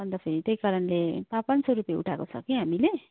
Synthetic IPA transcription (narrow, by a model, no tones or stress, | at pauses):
ʌnd̪apʰeɾit̪ejkaɾʌnlepapansʌɾupjeṵʈʰakot͡sʰʌ̰kiɦamile